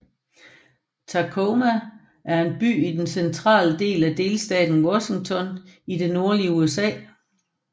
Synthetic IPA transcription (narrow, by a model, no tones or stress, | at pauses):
t͡sʰɑkʰomæ | æɐe̝nb̥y̰ːid̥ensent͡sʰʁɑ̰̈ːləd̥e̝̰ːlæd̥e̝ːlsd̥ɛ̰ːd̥n̩wɒɕe̝ŋt͡sʰɒ̽nid̥e̝no̝ɐliəuesɛ̰ː